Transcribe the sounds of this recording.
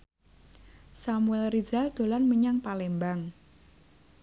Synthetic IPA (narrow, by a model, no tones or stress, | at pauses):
samuɛlrid͡ʒald̪̥o̤lanməɲaŋpalembaŋ